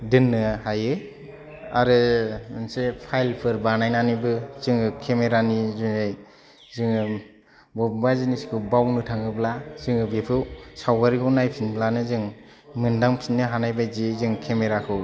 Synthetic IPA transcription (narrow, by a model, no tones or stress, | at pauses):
dɯnːɯhajɯ | a̰ɾɯmɯnsepʰajlpʰɯɾbanajnanibɯzɯŋɯkʰemeɾanizuaj | zɯŋɯ | bɔbbazinisi̥kʰɯwbawnɯtʰaŋɯblaz̥ɯŋɯbepʰɯwsawɡaɾikʰɯwnajpʰinbʰlanɯzɯŋ | mɯndaŋpʰinːɯɦanajbajzizɯŋkʰemeɾakʰɯw